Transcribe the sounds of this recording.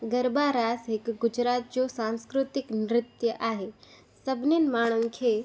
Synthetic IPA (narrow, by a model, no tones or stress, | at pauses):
ɡəɾbaɾaːsɦɪkɡʊd͡ʒɾaːt̪̚d͡ʑosãnskɾʊt̪ɪknɾɪt̪jəʔaːɦe | səbʱnenmaːɽ̃ənkʰe